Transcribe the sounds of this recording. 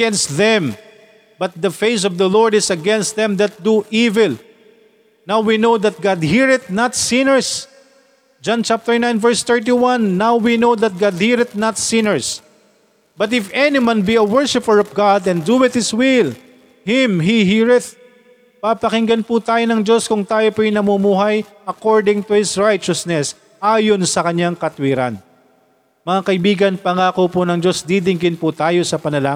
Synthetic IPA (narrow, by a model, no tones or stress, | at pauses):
ɛnst̪ðɛ̃m | bɐt̪̚d̪ɐfejsɔvd̪ɐlɔɹd̪ɪsɐɡɛ̃nst̪̚ðɛ̃md̪ɐt̪̚d̪uʔivɪl | nawwinowd̪ɐt̪̚ɡad̪̚hiɹɪt̪̚nat̪sɪnəɹs | d͡ʒãnt͡ʃap̚t̪əɹnãjnvɛɹst̪ɛɹt̪̬iwãnːawwinowðɐt̪̚ɡad̪̚hiɹɪt̪̚nɐt̪sɪ̃nɛɹs | bɐt̪̬ɪfɛnɪwãnbiɐwɛɹʃɪpəɹɔvɡad̪ɛ̃nd̪uɪt̪̚hɪswɪl | hɪmɦiɦiɹɪt̪̚ | papɐkɪŋɡɐnput̪aːjonɐŋd͡ʒo̞skʊŋt̪aːjopɛnɐmumuːɦɐjʔɐkoɹd̪ɪ̃ŋt̪ʊhɪsɹajt͡ʃɐsnɛs | ʔaːjonsɐkɐɲaŋkɐt̪wiɾɐ̰n | mɐŋakɐɪbiːɡɐnpɐŋaːkopʊnɐŋd͡ʒo̞sd̪id̪ɪŋɡɪnpʊt̪aːjo̞sɐpɐnɐlaː